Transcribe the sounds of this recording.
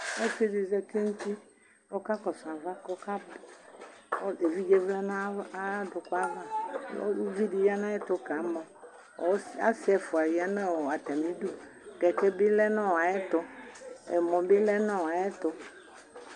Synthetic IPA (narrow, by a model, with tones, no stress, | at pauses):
o˦fi˦di˨zɛ˦t̪i˦nu˦t̪i˦ | lo˦ka˦kɔ˨sɔ̃˨a˨va˦kɔ˦ka˦b | e˨vi˦d͡ʒe˦vla˦nã˦do˨kɔ˦a˦va˦lo̰˦vi˦di˨va˦nã˦ɛ˦t̪ɔ˦ka˨˦mɔ̃˨ | o˦sa̰˦sɛ˦fu˨a˨wi˨a˦nɛ̃˦wɔ˨a˨t̪a˨mĩ˦du˦ | kɛ˨kɛ˦bi˦lɛ˦nã˦wa˨jɛ˦t̪ɔ˨ɛ̰˨mɔ̃˨bi˦lɛ˦nã˦wa˨jɛ˦t̪ɔ˨